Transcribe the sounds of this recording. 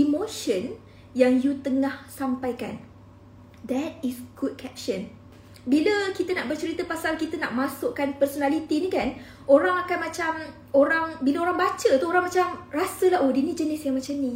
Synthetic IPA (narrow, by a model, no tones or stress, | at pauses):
ʔimoʃən | jaŋjut̪əŋahsampajka̰n | d̪ɛt̚isɡ̥ut̚kʰɛp̚ʃən | biləkit̪ənaʔbərt͡ʃəɾit̪əpasalkit̪əna̰ʔmãsʊʔkanpərsonalit̪inikan | oɾaŋakanmãt͡ʃam | oɾaŋbilaoɾaŋbat͡ʃət̪uoɾaŋmat͡ʃamrasəlaɦodinid͡ʒənɪsjaŋmãt͡ʃamni